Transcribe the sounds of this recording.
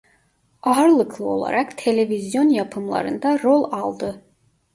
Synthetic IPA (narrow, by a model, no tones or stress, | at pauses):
aɾlˠɯkʰlˠɯo̞̰lˠa̰ɾʔakt̪ʰe̞lʲe̞vizjo̞njapʰɯmlˠa̰ɾɯ̰nd̪aɾolˠalˠd̪ɯ